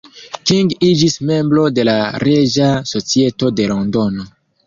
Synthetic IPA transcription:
kiŋɡid͡ʒisme̞mbɾo̞de̞laɾe̞d͡ʒaso̞t͡sie̞to̞de̞lo̞ndo̞no̞

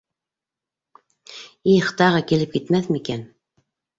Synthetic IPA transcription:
iχt̪ɑʁɤkilɘp̚kit̪mæθmikæn

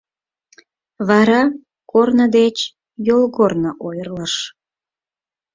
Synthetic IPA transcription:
βɑɾɑ | kornəd̪et͡ɕ | jolɣornəʔojərləʃ

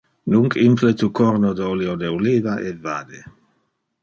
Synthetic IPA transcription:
nuŋkʰimplet̪ukɔɾnod̪oliod̪eoliːvaʔeva̰ːd̪e

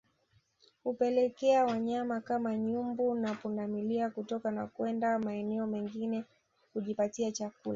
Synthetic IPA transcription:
hupɛlɛkɛawaɲamakamaɲumbunapundamiliakutɔkanakwɛndamaɛnɛɔmɛŋɡinɛ | kuʄipatiat͡ʃakula

